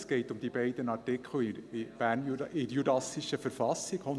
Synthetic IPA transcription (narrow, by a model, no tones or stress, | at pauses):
sɡ̥ɛɪtʊmd̥̪ibɛɪd̥ənɑɾtɪkʰl̩ɪb̥æːɾnjɪɾjudɑsiʃəfəɾfɑsɪɡ̥on